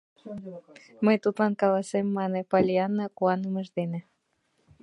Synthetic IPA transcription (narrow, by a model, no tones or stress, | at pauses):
məjt̪ut̪lɑnkɑlɑsemːɑnepɑlʲiɑnːɑkuɑnəməʒd̪enĕ